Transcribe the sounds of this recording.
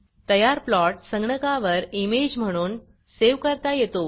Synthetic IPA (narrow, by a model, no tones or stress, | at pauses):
t̪əjaɾplɔʈ̚səŋɡɳəkaʋəɾimed͡ʑm̤əɽ̃uːn | seʋkəɾt̪ajet̪o